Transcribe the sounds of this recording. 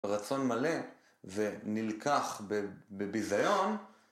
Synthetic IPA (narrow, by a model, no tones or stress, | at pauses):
ʁat͡so̞nmale̞ | venilkʰaχbebebizajo̞n